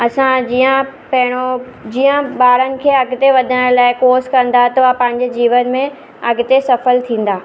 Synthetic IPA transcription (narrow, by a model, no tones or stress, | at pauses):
ɐsãd͡ʑijə̃pɐɦɪɽ̃od͡ʑiːə̃ɓaːɾənɪ̆kʰeːɐɡɪt̪eʋɐd̪ʱəɽ̃laːɪkoːskɐ̃nd̪at̪ɐʋapɐ̃ɦɪ̃ɲd͡ʑd͡ʑiːʋənmẽ | ɐɡɪt̪esɐfəlt̪ʰĩːn̆d̪aː